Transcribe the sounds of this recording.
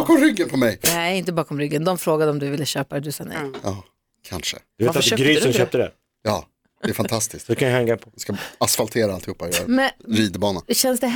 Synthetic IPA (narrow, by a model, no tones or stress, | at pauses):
kɔmɾʏɡːənpʰɔmɛjnɛɪnt̪əbɑːkɔmɾʏɡːənd̪ɔmfɾoːɡad̪əɔmd̪ɵvɪlːəɕøːpad̪ɵsɑnɛ̰jɑː | kʰa̰nʂə̰d̪vet̪aɡɾyːsənʃøːp̚t̪əd̪æ̰ɾ | jɑ̰ː | dɛɾfant̪ʰast̪ɪsk̪sɔd̪ɛkʰanjʏhɛŋːapʰɔɪskaasfalt̪ʰeːɾaalt̪ɪɡhʊpːajœːɾa̰mɛnɾiːd̪əbɑːnaɕɛnsd̪ɛ